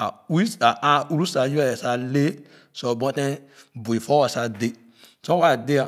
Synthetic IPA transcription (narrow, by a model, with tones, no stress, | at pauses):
a˨u˦i˦a˨a˨u˦ɾu˦sa˨jɛ˨sa˨le˦ | so˨bɔ̃˦te˦ | bu˨i˨fɔ˦wa˨sa˨de˦ | sõ˦wa˦˨de˦a˨